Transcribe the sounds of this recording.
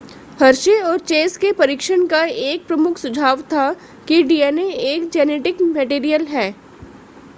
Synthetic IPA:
hɐɾʃeɔːɾt͡ʃeːskepɐɾɪkʃəɽ̃kaeːk̚pɾɐmʊkʰsʊd͡ʒʱaːʋt̪ʰa | kiɖiːɛːneeːkd͡ʒɛːneːʈɪkmɛʈiːɾijəlɦɛː

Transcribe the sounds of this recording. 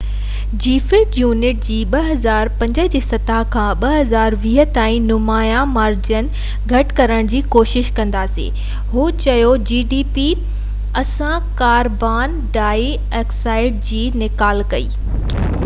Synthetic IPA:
d͡ʑiːfɪʈjuːnɪʈ̚d͡ʑiːɓɐɦɐzaːɾpɐ̃ɲd͡ʑəd͡ʑiːsɐt̪aɦkʰãɓɐɦɐzaːɾʋiːɦə̆t̪aːĩnʊmaːjamaːɾd͡ʑən | ɡʱɐʈkɐɾəɽ̃d͡ʑiːkoːʃɪʃkɐ̃nd̪aːsḛː | ɦuːt͡ɕɐjod͡ʑiːɖiːpi | ɐsã | kaːɾbaːn | ɖaːi | eːksaːɪɖ̚d͡ʑiːnɪkaːlkɐḭː

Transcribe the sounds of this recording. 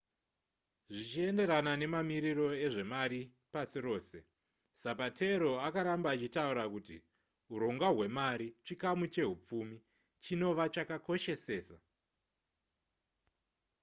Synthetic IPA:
ʐit͡ʃie̞nde̞ɾanane̞mamiɾiɾo̞e̞ʐe̞maɾi | pasiɾo̞ːse̞ | sapate̞ɾo̞akaɾambaːt͡ʃitauɾakutḭ | uɾo̞ŋɡwaɦwe̞maɾit͡ʃikamut͡ʃe̞ɦup͡fumi | t͡ʃino̞ʋat͡ʃakako̞ʃe̞se̞ːsa

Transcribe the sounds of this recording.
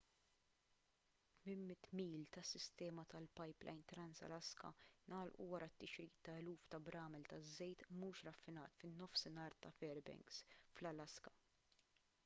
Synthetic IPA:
t̪mɪmːɪt̪ːmiːlt̪ɐsːɪst̪ɛːmɐt̪ɐlpɐjplɐ̰jnt̪ɾɐnsɐ̰lɐskɐ̰nɐːlʔṵwɐɾɐt̪ːɪʃɾiːt̪ːɐɛluːft̪ɐbɾɐːmɛlt̪ɐzːɛjt̪muːʃɾɐfːɪnɐ̰ːt̪fɪnːɔfsɪnɐːɾt̪ɐfɛɾbɛ̰ŋɡsflɐlɐskɐ

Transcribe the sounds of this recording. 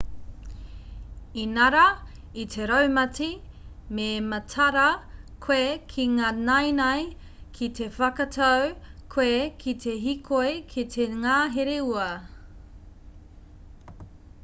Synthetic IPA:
inɐɾɐ | itʰeɾɐwmɐtimemɐtʰɐɾɐkʰwoekʰiŋanɐjnɐj | kʰitʰefɐkɐtʰawkʰwekʰit̪ʰe̞ɦikʰojkʰit̪ʰeŋaːɦeɾeuɐ

